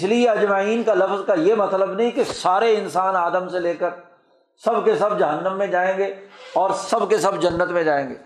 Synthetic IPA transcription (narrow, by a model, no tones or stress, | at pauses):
slieɐd͡ʒmaːiːnkalɐfzkajemɐt̪ləbnɐɦĩkesaːɾeɪnsaːnaːd̪əmseleːkəɾ | sɐbkesɐb̚d͡ʒɐɦənːəmːẽd͡ʒaːẽːɡeːɔːɾsɐbkesɐbd͡ʒɐnːət̪mẽd͡ʒaːẽːŋɡḛː